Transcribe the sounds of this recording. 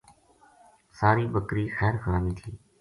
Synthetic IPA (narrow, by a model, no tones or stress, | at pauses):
saːɾiːbəkɾiːxɛːɾxʰaːniːt̪ʰiː